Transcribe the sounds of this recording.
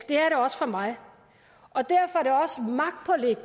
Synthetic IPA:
ɡ̥d̥e̝æɐɾe̝ɒ̽sə̥fɒ̽mɑ̈ɪ | ʔɒ̽d̥æɐfɒæɐd̥e̝ɒ̽səmɑ̈ɡ̥̚d̥̚pʰɒleɡ̥̚

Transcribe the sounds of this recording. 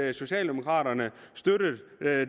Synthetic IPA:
so̝ɕɛ̰ːld̥e̝mo̝kʰʁɑ̰̈ːɾɐnəsd̥øɾ̥ə

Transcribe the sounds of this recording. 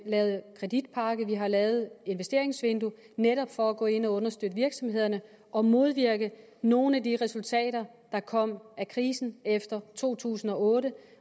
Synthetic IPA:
lɛːʊð̩ˠkʰʁɛd̥id̥̚pʰɑ̈ɡ̥əʋiɦɑ̈lɛːʊð̞̩ˠe̝nʋesd̥e̝ɐe̝ŋsʋe̝nd̥u | neɾɒ̽b̥fɒ̽æɡ̥ɔ̰̽ːe̝n̰ɒ̽ɔ̽nɐsd̥ød̥əʋiɐɡ̥sɒ̽mhe̝ð̞̰ˠɐnə | ʔɒ̽mo̝ð̞ˠʋiɐɡ̥əno̝ːn̩ædiʁɛsult͡sʰɛ̰ːɾɐ | d̥ɑ̈kʰɒ̽m̰ʔækʰʁiːsn̩efd̥ɐt͡sʰo̝̰ːt͡sʰṵːsn̩ɒ̽ɔːɾə

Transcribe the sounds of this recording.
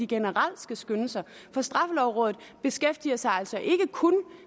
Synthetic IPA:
iɡ̥e̝nəʁal̰̥sɡ̥æsɡ̥ønəsɐ | fɒ̽sd̥ʁɑ̈fəlɒʊʁɔ̽ːðð̩ˠb̥e̝sɡ̥efd̥iɐsɑ̈ɪælsɒ̽ʔe̝ɡ̥əkʰɔn

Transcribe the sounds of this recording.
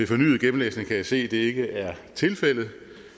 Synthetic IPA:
e̝fɒ̽ny̰ːð̩ˠɡ̥em̩lḛːsne̝ŋkʰæjase̝̰ːd̥e̝e̝ɡ̥əʔæɐt͡sʰe̝lfel̰ð̞̩ˠ

